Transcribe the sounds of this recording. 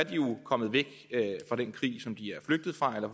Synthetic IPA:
d̥iokʰɒ̽mð̩ˠʋeɡ̥fʁɑ̈ɾ̥enkʰʁḭːsɒ̽md̥iæɐfløɡ̥̚d̥ð̩ˠfʁɑ̈elɐ

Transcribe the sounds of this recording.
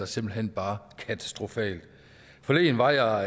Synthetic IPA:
ɑse̝mb̥l̩ɦen̰b̥ɑ̈ːkʰæt͡sʰæ̥sd̥ʁo̝fɛ̰ːld̥ | fɒ̽le̝̰ːnʋɑ̈jɑ

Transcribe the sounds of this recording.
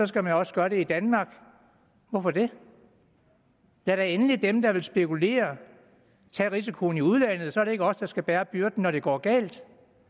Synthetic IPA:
sɒ̽sɡ̥æmænɒ̽səɡ̥ɶɐɾe̝id̥ænmɑ̈ːɡ̥ | ʋɒfɒd̥e̝ | æɐɾɑ̈enəlidemd̥ɑ̈ʋe̝lsb̥e̝kʰule̝̰ːɐ | t͡sʰɛ̰ːʁis̬ikʰo̝ːniuð̞ˠlæn̰ð̩ˠsɒ̽æɐɾe̝e̝ɡ̥əɒ̽sd̥ɑ̈sɡ̥æb̥æːɐb̥yɐd̥n̩ːɒɾ̥e̝ɡ̥ɒ̰ːɡ̥ɛ̰ːld̥

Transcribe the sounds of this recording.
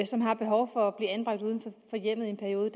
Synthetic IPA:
sɒ̽mɦɑ̈b̥e̝ɦɒʊfɒ̽æb̥liːænb̥ʁɑ̈ɡ̥̚d̥uːð̞ˠn̩fɒfɒ̽jem̰ð̞̩ˠe̝npʰæɐio̝ːðˠəd

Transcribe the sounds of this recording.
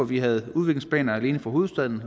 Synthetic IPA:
ɒʋiɦæð̞̩ˠuð̞ˠʋe̝ɡ̥le̝ŋsb̥ɛ̰ːnɐæle̝ːnəfɒ̈o̝ːð̩ˠsd̥æð̰ˠn̩

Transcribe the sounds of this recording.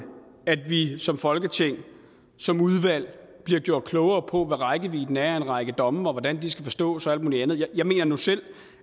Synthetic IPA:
æd̥ʋisɒ̽mfɒ̽lɡ̥ət͡sʰe̝ŋ̰ | sɒ̽muð̞ˠʋæl̰b̥liɐɡ̥jo̝ɐ̰d̥̚kʰlɔʊɐːpʰɒ̽ʋæʁɑ̈ɪɡ̥əʋḭd̥n̩æɐenʁɑ̈ɪɡ̥əd̥ɒ̽mɒ̽ʋɒd̥ænd̥isɡ̥æfɒ̽sd̥ɔ̰̽ːsɒæl̰d̥mṵːliænð̞̩ˠjajɑ̈ɪme̝̰ːnɐnusel̰

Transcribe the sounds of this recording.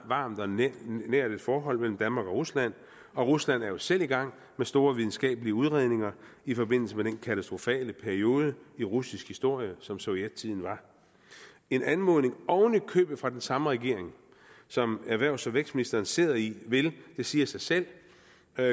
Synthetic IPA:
ʋɑ̈ːmd̥ɒnæɐd̥e̝d̥fɒːɦɒ̽l̰mel̰m̩d̥ænmɑ̈ːɡ̥ɒ̽ʁuslæn̰ | ɒ̽ʁuslæn̰æɐjo̝sel̰iɡ̥ɑ̈ŋ̰ | mesd̥o̝ːɐʋið̞ˠn̩sɡ̥ɛ̰ːb̥əliəuð̞ˠʁeðˠne̝ŋɐifɒ̽be̝n̰l̩səmed̥enkʰæt͡sʰæsd̥ʁofɛ̰ːləpʰæɐio̝ːð̞ˠəiʁusisɡ̥hisd̥o̝ɐ̰jəsɒ̽msoied̥̚t͡sʰið̰ˠn̩ʋɑ̈ | e̝nænmo̝ðˠne̝ŋɒʊnikʰø̰ːb̥ð̩fʁɑ̈d̥ensɑ̈məʁɛɡ̥e̝ɐ̰eŋ | sɒ̽mæɐʋæɐ̰ʊsɒʋeɡ̥sminisd̥ɐːnse̝ːðˠɐiʋe̝ld̥e̝siːɐsɑ̈ɪsel̰

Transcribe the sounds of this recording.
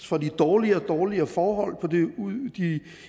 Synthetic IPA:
fɒd̥id̥ɒːliɐd̥ɒːliɐfɒːɦɒ̽l̰pʰɒ̽d̥e̝d̥i

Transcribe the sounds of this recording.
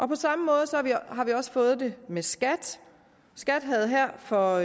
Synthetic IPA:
ʔɒ̽pʰɒ̽sɑ̈məmɔ̽ːð̞ˠsɒɑʋiɦɑ̈ʋiɒ̽sə̥fɔ̽ːð̞̩ˠd̥e̝mesɡ̥æd̥ | sɡ̥æd̥ɦæð̞̩ˠɦæɐ̰fɒ̽

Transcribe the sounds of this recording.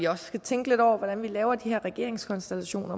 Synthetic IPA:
iɒ̽ssɡ̥æt͡sʰeŋɡ̥əle̝d̥ɒʊ̰ɐʋɒd̥ænʋilɛːʊɐd̥ihæɐʁɛɡ̥e̝̰ɐ̰eŋskʰɒ̽nsd̥elæɕo̝̰ːnɐ

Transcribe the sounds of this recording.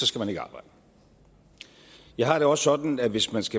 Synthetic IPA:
sɒ̽sɡ̥æmæne̝ɡ̥ɑ̈ːb̥ɑ̈ɪ̰d̥ə | jɑ̈ɪɦɑ̈ɾ̥e̝ɒ̽ssɒ̽d̥n̩æʋe̝smænsɡ̥æ

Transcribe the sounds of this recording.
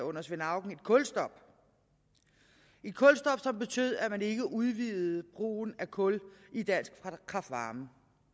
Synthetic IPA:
ɔ̽nɐsʋenɑ̈ʊ̰ɡ̥n̩e̝d̥kʰɔ̽lsd̥ɒ̽b̥ | e̝d̥̚kʰɔ̽lsd̥ɒ̽b̥sɒ̽mb̥e̝t͡sʰø̰ð̰ˠæmæne̝ɡ̥əʔuðˠʋiðð̩ˠb̥ʁo̰ːn̩ækʰɔ̽lid̥æn̰sɡ̥fʁkʰɑ̈fd̥ʋɑ̈ːmə

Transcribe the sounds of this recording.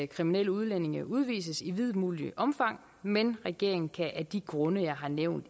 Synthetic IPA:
kʰʁiminel̰əuð̞ˠlene̝ŋɐʔuð̞ˠʋḭːs̬əsiʋið̞ˠmuːliəʔɒ̽mfɑ̈ŋ̰ | menʁɛɡ̥e̝ɐ̰e̝ŋn̩kʰæʔæd̥iɡ̥ʁɔ̽nəjɑ̈ɪɦɑ̈neʊ̰nd̥

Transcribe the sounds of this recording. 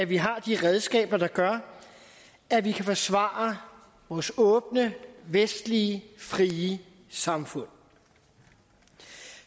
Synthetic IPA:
æʋiɦɑ̈d̥iʁɛð̞ˠsɡ̥ɛ̰ːb̥ɐd̥ɑ̈ɡ̥ɶɐ | æʋikʰæfɒ̽sʋɑ̰̈ːɐ | ʋɒːsɔ̽ːb̥nəʋesd̥liəfʁiːə | sɑ̈mfɔ̽n̰

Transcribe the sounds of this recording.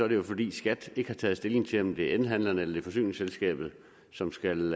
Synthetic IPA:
sɒ̽æɐɾ̥ejo̝fɒ̽d̥ḭːsɡ̥æd̥e̝ɡ̥əhɑ̈t͡sʰɛ̰ːð̞̩sd̥e̝le̝ŋt͡sʰe̝ɒ̽md̥e̝enɦæn̰lɐnəelɐd̥e̝fɒ̽sy̰ːne̝ŋselsɡ̥ɛ̰ːb̥ð̞̩ˠ | sɒ̽msɡ̥æl

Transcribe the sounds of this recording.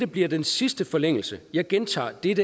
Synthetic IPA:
ɾ̥əb̥liɐd̥ensisd̥əfɒ̽leŋ̰l̩səjɑ̈ɪɡ̥ent͡sʰɑ̰̈ːd̥eɾə

